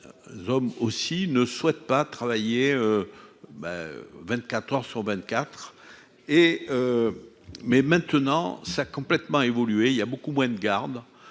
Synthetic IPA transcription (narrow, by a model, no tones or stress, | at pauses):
zɔmosinəswɛt̪̚pat̪χavajeøbɛ̰vɛ̃t̪kat̪χœʁsyʁvɛ̃t̪kʲat̪χ | eø | mɛmɛ̃t̪ənɑ̃sakɔ̃plɛt̪mɑ̃evɔlyeiljabokumwɛ̃d̪əɡaʁd̪